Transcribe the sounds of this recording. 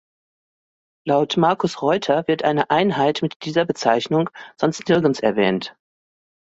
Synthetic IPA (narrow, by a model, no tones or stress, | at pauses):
laʊtmaɐkʊsʁɔʏtʰɐvɪɐtʔaɪnəʔaɪnɦaɪtmɪtd̥iːzɐbət͡saɪçnʊŋz̥ɔnstnɪɐɡn̩sɛɐvɛːnt